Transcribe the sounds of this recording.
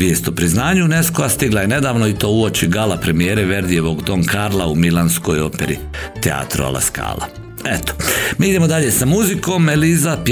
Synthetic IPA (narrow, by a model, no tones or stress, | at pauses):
jeːst̪opɾiznaːɲune̞skoast̪iɡlaje̞ne̞d̪aːʋnoit̪o̞ːuot͡ʃiɡalapɾe̞mijeːɾeʋe̞ɾd̪ijeʋoɡd̪o̞ŋkaɾlˠaumilanskojo̞peɾḭ | t̪ea̰ːt̪ɾo̰a̰lˠa̰ska̰ːla̰ | et̪o̥miːid̪emo̞d̪aʎesamuzikoːmelizap